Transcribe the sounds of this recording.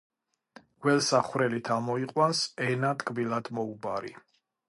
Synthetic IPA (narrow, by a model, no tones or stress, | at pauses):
ɡ̥wɛlˠsaχwɾɛlit̪ʰamɔiqʼwansɛnat̪ʼkʼbilˠad̪mɔubaɾi